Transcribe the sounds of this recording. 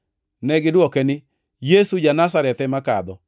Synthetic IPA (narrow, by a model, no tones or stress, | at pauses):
nɛɡɪdwɔkɛnɪ | jesud͡ʒanas̬aɾɛt̪ɛmakad̪ɔ